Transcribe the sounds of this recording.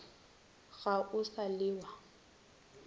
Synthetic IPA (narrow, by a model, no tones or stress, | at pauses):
ɣaʔʊsalɪːwa